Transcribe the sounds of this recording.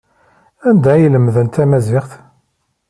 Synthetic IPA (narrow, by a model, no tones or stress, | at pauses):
ænd̪æjələmðənt̪æmæziʁθ